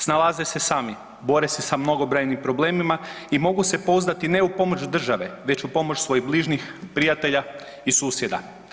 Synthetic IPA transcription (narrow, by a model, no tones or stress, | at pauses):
snalˠaze̞se̞saːmi | bo̞ɾese̞samno̞ɡobɾajnimpɾo̞ble̞ːmimaimo̞ɡuse̞po̞uznat̪ine̞upo̞mo̞t͡ʃud̪r̩ʒaʋe̞ʋe̞t͡ɕupo̞mot͡ʃsʋo̞jiɣbliːʒnixpɾijat̪e̞ʎa | isuːsje̞d̪a̰